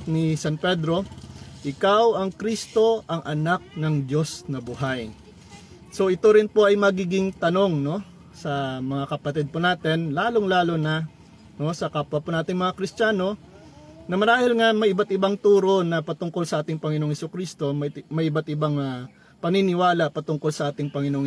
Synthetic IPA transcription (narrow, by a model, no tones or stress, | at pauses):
nɪsanpɛd̪ɾo̞ʔɪkawɐŋkɾist̪o̞ʔɐŋʔɐnak̚nɐŋd͡ʒo̞snɐbʊɦaj | so̞ʔɪt̪o̞ɾɪnpo̞ʔɐjmɐɡiːɡɪŋt̪ɐno̞ŋno̞ | sɐmɐŋakɐpɐt̪ɛd̪̚ponaːt̪ɛnlaːloŋlaːlo̞nɐ | no̞sɐkapwɐponaːt̪ɪŋmɐŋakɾɪstaːno̞ | nɐmɐɾaːhɪlŋamɐjʔɪbat̪̚ɪbaŋt̪uːɾo̞nɐpɐt̪ʊŋko̞lsɐʔaːt̪ɪŋpɐŋɪnoŋhɛsʊkɾiːst̪o̞mɐjmɐjʔɪbat̪ɪbaŋ | pɐninɪwaːlɐpɐt̪ʊŋko̞lsɐʔaːt̪ɪŋpɐŋɪnoŋ